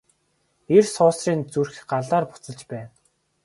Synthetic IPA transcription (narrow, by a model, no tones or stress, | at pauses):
ersʊːsriːnt͡surxɢaɮaːrpʊ̥t͡sə̆ɮt͡ɕpæːn